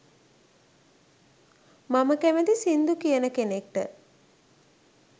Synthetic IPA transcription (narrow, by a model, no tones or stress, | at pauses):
maməkæməd̪isind̪ukijənəkenek̚ʈə̰